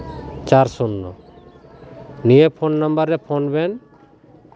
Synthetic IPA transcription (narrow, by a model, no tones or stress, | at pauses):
t͡ɕaɾsunːɔ | nijepʰonːambaɾepʰonben